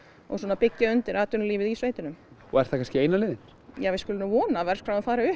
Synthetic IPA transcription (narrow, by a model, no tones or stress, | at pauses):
ɔ̰ɣswɔːnapɪcːaœnt̪ɪɾaːt̪ʏnliːvɪðisveːjt̪ɪnʏm | ɔɛɾ̥θakʰanscɪejnalɪːðɪn | jaːvɪskʏːlɪnʏvɔːnavɛɾr̥skfɾawaðfaːɾaʏ